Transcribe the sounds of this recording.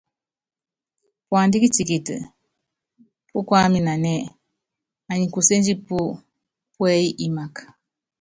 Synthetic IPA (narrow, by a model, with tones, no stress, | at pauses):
pwa˨ndi˦ki˦t͡ʃi˨ki˨tɨ̰˨ | pu˦kwa˦mi˨na˨nɛ˦˨ | a˨ɲi˨ku˨se˦nd͡ʒi˦pu˦ | pwɛ˦ji˦ʔi˦ma˨kḁ˨